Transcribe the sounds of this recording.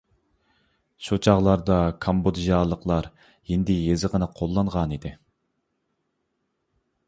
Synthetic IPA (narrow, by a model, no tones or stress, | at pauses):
ʃot͡ʃʰɑʁlˠɑɾd̪ɑkʰɑmbod̪ʒɑlˠːəqlˠɑɾ | jind̪ɪjezɨʁənɨqʰolˠːɑɴʁɑnid̪ɪ